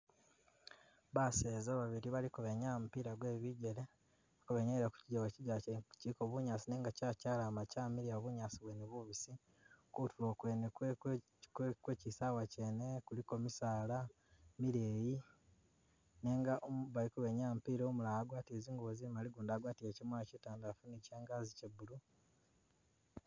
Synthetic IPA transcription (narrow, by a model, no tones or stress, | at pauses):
βaseːzaβaβiɾiβalikuβe̞ɲamupiːɾaɡwe̞ːβiɟe̞le | akuβeɲeiɾaku̥ciɟawaciɟacikoβuɲaːsineːŋɡacaːcaːlaːmacaːmiɾiaβuɲaːsiβweneβuβisi | kutulokwe̞ːne | kkwecisawaceːnekuliko̞misaːla | miɾeːji | neːŋɡaʔomβalikuβeɲaːmpiɾoːmulaaɡwaːtieziːŋɡoβozimaliɡuːndaːɡwaːtijeːcimwoecitaːndafuniceːŋɡazicebulu